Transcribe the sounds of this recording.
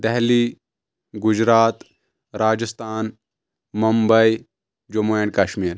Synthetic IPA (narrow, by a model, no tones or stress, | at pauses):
d̪ɛɦliː | ɡʊd͡ʒɾaːt̪ | ɾaːd͡ʒəst̪aːn | mumbɐi | d͡ʒumoeɳkɐʃmiːɾ